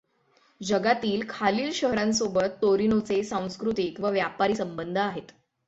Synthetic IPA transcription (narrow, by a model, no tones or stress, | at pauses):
d͡ʑəɡat̪iːlkʰaliːlɕəɦɾãnsobət̪ːoɾinot͡sesãw̃skɾut̪ikʋəʋjapaɾiːsəmbənd̪ʱəaɦet̪